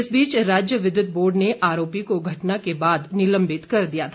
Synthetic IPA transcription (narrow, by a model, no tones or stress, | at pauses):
ɪsbiːt͡ʃɾaːd͡ʒjəʋɪd̪ʊt̪̚ʰboːɾɖneʔaːɾoːpikoɡʱɐʈnakebaːd̪nɪlə̃mbɪt̪kɐɾd̪ijat̪ʰ